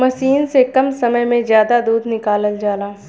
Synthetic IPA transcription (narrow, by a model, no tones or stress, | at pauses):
mɐʃiːnsekɐmsɐməjmẽzjaːd̪ad̪uːd̪ʱnɪkaːləld͡ʒaːlaː